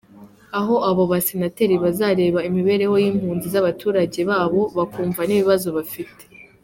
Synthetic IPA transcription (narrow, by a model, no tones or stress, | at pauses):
aɦo̞aβo̞βasenate̞ɾiβazaɾe̞ːβaimiβe̞ːɾe̞ho̞jiːmhuːnzizaβatʰuːɾaɟe̞βaːβo̞βakuːɱvaniβiβazo̞βafite̥